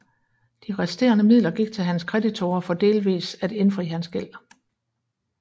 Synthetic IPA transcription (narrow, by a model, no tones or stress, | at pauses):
d̥iʁɛsd̥e̝̰ːɐnəmið̰ˠlɐɡ̥iɡ̥̚t͡sʰe̝lɦænskʰʁɛd̥it͡sʰo̝ːɐfɒ̽d̥e̝ːlʋḭːsæd̥e̝nfʁḭːhænsɡ̥el̰